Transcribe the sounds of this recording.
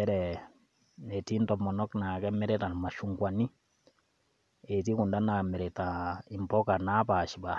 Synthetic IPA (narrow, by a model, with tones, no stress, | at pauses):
ɛ˦ɾɛ˨ | nɛ˨ti˦ntɔ˨mɔ˨nɔ˦kna˨kɛ˦mɛ˦ɾɛ˦ta˨nma˨ʃu˦ŋkwa˨ni˦ | e˨ti˦ku˨nda˦na˨mɛ˨ɾɛ˨ta˨i˨mpɔ˦ka˨na˦pa˨ʃi˨ba˨